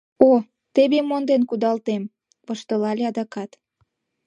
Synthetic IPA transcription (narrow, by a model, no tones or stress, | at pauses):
o | t̪eβemond̪enkud̪ɑlt̪em | pəʃt̪əlɑlʲeɑd̪ɑkɑt̪